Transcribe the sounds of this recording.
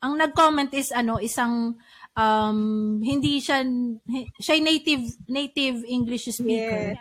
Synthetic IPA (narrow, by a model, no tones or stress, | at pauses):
ʔɐŋnɐɡ̚komɛnt̪ʔɪsɐno̞ʔɪsɐŋ | ʔɐmhɪnd̪iʃahʃaɐjnejt̪ɪvnejt̪ɪvʔiŋɡlɪʃspiːkɛɹ